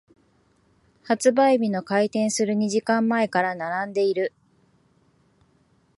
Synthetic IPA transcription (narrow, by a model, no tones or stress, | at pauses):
hat͡sɨbaibʲino̞kait̪ẽ̞ɰ̃sɨɾɯ̟ɲ̟iʑikãmːae̞kaɾanaɾãnd̪e̞iɾɯ̟